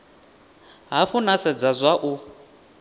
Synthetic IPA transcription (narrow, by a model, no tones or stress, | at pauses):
ɦafunasɛd͡zazʷaʔu